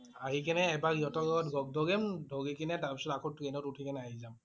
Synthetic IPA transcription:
aɦikɛnɛːbaɡijɔtɔɡɔtɡɔɡ̚dɔɡɛmdʱɔɡikinɛtaɹpisɔtakʰɔt̚ːukɛnɔtutʰikɛnɛaɦizam

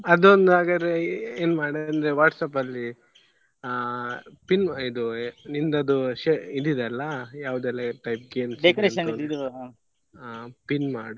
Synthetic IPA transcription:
ɐd̪ond̪aːɡɐd̪eeːnmaːɽɐnd̪ɾeʋaːʈsɐpɐlːi | pinid̪unind̪ɐd̪uʃeid̪id̪eɐlːɐjaːʋud̪ɛlːɐʈɐjp̚ɡeːmsɖekɐɾeːʃɐnid̪id̪ua | apinmaːɽu

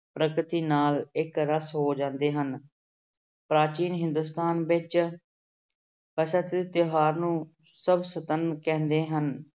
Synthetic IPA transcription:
pɾəkɾɪt̪iːnaːlɪkɾəsɦoːd͡ʒãːnd̪eːɦən | pɾaːt͡ʃiːnɦɪ̃nd̪us̬t̪aːnʋɪt͡ʃ | pəsət̪t̪joɦaːɾnũː | səbsət̪ənkɛ̃ːnd̪eːɦən

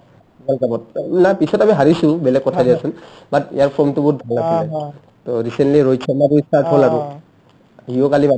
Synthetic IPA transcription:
balkabɔt̚napisɔtamiɦaɹisʊ̃bɛlɛkːɔtʰadiasun | batḭjaɹpʰɔmtʊbut̚bʱalnasilɛ | toɹisɛntliɹojt͡ʃʰɔmatuisatɦolaɡʊ | ɦiokaliba

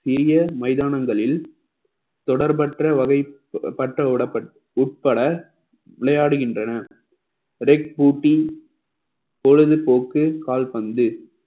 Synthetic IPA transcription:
sɪɾɪjɐmɐɪðaːnɐŋɡɐɭɪl | t̪ɔɽɐɾpɐʈrɐʋɐɣɐɪ | pːɐʈrɐʊɽɐpːɐ | ʊʈ̚pɐɽɐ | ʋɪɭɐjaːɽɯɣɪndrɐnɐ | ɾɛk̚puːʈːi | pɔɻɯðɯpoːkːɯkaːlpɐnd̪ɯ

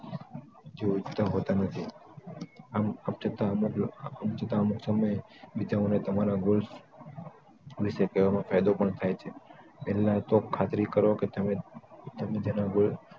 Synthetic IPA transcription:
d͡ʒeud͡ʒt̪aɦot̪anət̪ʰi | amamt͡ʃʰət̪amukəmt͡ʃʰət̪aəmuksəməj | bid͡ʒaonet̪əmaɾaɡuls | ʋiʃekəʋamãfajd̪opəɳt̪ʰajt͡ʃʰe | pɛlat̪okʰat̪ɾikəɾoket̪əmet̪əmed͡ʒənaɡul

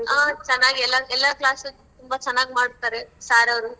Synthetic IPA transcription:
aːt͡ʃɐnːaːɡiɛlːaɛlːaklaːsɐ | t̪umbat͡ʃɐnːaːɡmaːɽt̪aɾesaːɾɐʋɾu

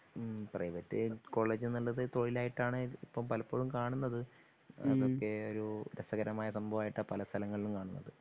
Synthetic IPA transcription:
prɐ̰jʋɐtːɨko̞ːɭːeːd͡ʑɨnɐlːɐðɨt̪o̞ɻilaːjiʈːaːɳɨipːɐmpɐlɐpːo̞ːɻumkaːɳunːɐðɨ | ɐ̰ðo̞kːe̞oɾuɾɐsɐɣɐɾɐmaːjɐsɐmbʱɐʋaːjiʈːɐpɐlɐst̪ʰɐlɐŋːɐɭilumkaːɳunːɐ̰ðɨ

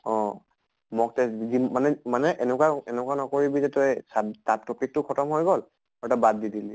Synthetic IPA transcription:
ɔ̃ | mɔk̚tɛzimanɛmanɛʔɛnɛkwaɛnɛkwanɔkoɹibizɛtɔjsatap̚topik̚tʊkʰɔtɔmɦojɡɔl | ɛtabadːidili

